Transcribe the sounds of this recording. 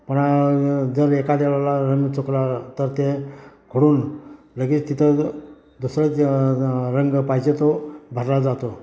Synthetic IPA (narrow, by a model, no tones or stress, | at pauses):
pəɳad͡zəɾekad̪eɭalaɾəŋɡt͡sʰoklat̪əɾt̪ekʰoɽuːn | ləɡit͡st̪it̪ʰə | d̪usɾə | ɾəŋɡpajd͡ʑet̪obʱəɾlad͡zat̪o